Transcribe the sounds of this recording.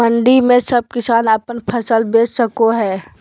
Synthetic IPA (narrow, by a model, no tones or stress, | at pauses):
mə̃ɳɖimẽsɐb̚kɪsaːnɐpənpʰəsəlbeːd͡ʒsəkoɦɛː